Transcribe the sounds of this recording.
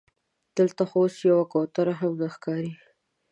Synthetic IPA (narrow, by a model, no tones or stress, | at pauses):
d̪̥əlt̪axoosjawakot̪aɾaɦamɡaxkɑɾi